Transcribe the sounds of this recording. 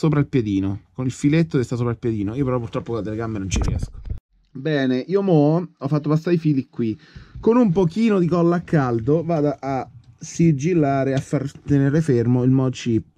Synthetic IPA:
soːpɾailpjed̪iːnokonilfilet̪ːokest̪asoːpɾailpjed̪iːnoiːopeɾɔpuɾrt̪ɾɔpːokolat̪eleɡamːenont͡ʃiɾjɛ̰sko̥ | bɛːneʔiːomɔɔfːat̪ːopast̪aifiːlikwikonumpokiːnod̪ikɔlːakːald̪ovaːd̪aʔasid͡ʒilːaːɾeafːart̪eneːɾefermoilmɔt͡ʃipː

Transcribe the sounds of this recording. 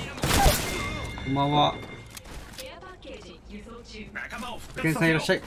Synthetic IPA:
kombãβa | kẽɰsãĩiɾaɕːai

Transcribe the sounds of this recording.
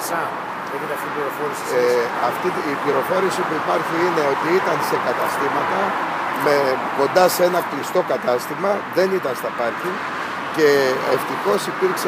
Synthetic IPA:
ei | iliɾofoɾisɐft̪iːpliɾo̞fo̞ɾisipuipɐɾçiine̞o̞t̪iit̪ɐnse̞kɐt̪ɐst̪imɐt̪ɐ | me̞ko̞nd̪ɐse̞nɐklist̪o̞kɐt̪ɐst̪imɐðe̞nit̪ɐnst̪ɐpɐɾçin | ce̞ːft̪ixo̞sipiɾkse

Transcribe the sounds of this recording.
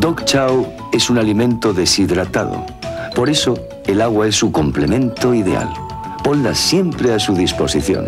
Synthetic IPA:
d̪okt͡ʃaw | e̞sunalimẽnt̪oðe̞siðɾat̪aðo̰ | po̞ɾe̞so | elaɣ̞waesuko̞mplemẽnt̪oiðe̞a̰l | ponlasje̞mpɾeasuðispo̞siθjo̰n

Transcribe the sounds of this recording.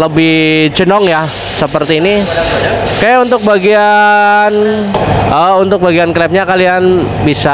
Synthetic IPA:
ləbɪhd͡ʒənɔŋja | səpərt̪iːni | kajaunt̪ʊk̚baɡian | əunt̪ʊk̚baɡianklɛp̚ɲakalianbisa

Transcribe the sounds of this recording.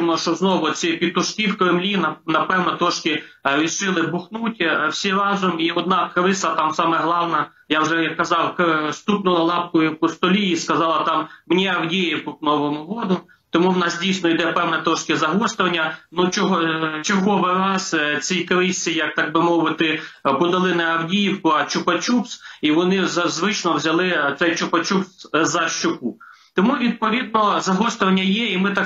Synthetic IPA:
mɔʃɔznɔʋɔt͡sʲɛpʲid̪̚t̪ɔʃkiwkɾɪmlʲinɐnɐpɛwnɛt̪ɾɔʃkɪɾʲiʃɪlˠɪbʊxnutʲwsʲiɾɑzʊmiɔd̪nɑkɾɪsɐt̪ɑmsɑmɛɦlˠɑwnɐ | jawʒɛjɐkkːɐzɑwkst̪up̪nɔɐlˠɑp̚kɔjʊpɔst̪ɔlʲijiskɐzɑlˠɐt̪ɑmːnʲɛɐwdʲejɪkʊknɔʋɔmʊʋɔd̪ʊ | t̪ɔmuwnɑsdʲijsʲnɔid̪ɛpɛwnɛt̪ɾɔʃkʲɪzɐɦɔst̪ʊʋɐnʲːɐnut͡ʃɔɦɔt͡ʃɔɦɔʋɪɾɑst͡sʲijkɐʋɪsʲt͡sʲijɐk̚t̪ɑɡ̚bɪmɔʋɪt̪ɪpɔd̪ɐlˠɪnɛɐwdʲijiwkʊɐt͡ʃʊpɐt͡ʃʲupsiʋɔnɪzɐzʋɪt͡ʃnɔwzʲɐlˠɪt̪sɛjt͡ʃʊpɐt͡ʃupszɐʃt͡ʃʊku | t̪ɔmuʋʲid̪̚pɔʋʲid̪̚nɔzɐɦɔst̪ʊʋɐnʲːɐjɛimɪt̪ɑ

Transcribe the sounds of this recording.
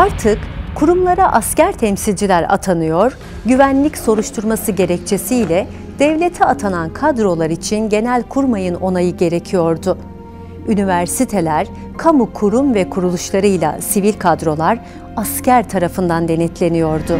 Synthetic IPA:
aɾt̪ʰɯkkʰːuɾumlˠaɾaʔascæɾt̪ʰɛmsilʲd͡ʒilʲæɾa̰t̪ʰanɯjoɾ | ɟyvænlʲicso̞ɾuʃt̪ʰuɾmasɯɟe̞ɾɛc̚t͡ʃʰe̞sijlʲɛ | d̪̥ɛvlʲe̞t̪ʰɛat̪ʰanankʰad̪ɾo̞lˠaɾit͡ʃʰinɟe̞nælʲkʰuɾmajɯno̞najɯɟe̞ɾe̞cʰijo̞ɾd̪ʊ | ynivæɾsit̪ʰe̞lʲæɾ̥ | kʰamukʰuɾumvɛkʰuɾulˠuʃlˠaɾɯjlˠa̰sivilʲkʰad̪ɾo̞lˠaɾ | ascæɾt̪ʰaɾafɯnd̪and̪e̞nɛt̪ʰlʲe̞nijo̞ɾd̪ʊ

